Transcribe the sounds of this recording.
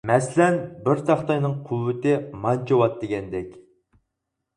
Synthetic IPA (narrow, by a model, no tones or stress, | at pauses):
mɛslɛnbɪɾt̪ɑχt̪ɑjnɨŋqʰuwːɪt̪ɪmɑnt͡ʃʰɑwɑt̪̚d̪eɡʲɛnd̪ɛkʲ